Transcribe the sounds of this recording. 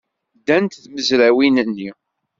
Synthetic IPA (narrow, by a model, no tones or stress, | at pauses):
d̪ːænt̪θməzɾæwinənːi